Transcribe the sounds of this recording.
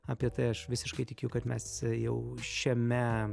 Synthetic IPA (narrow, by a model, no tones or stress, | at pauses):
ɐːpʲiɛt̪ɐɪɐʃʋʲɪsʲɪʃkɐɪt̪ʲɪkʲːjʊkɐt̪mʲɛsjɛʊʃʲɛmʲɛ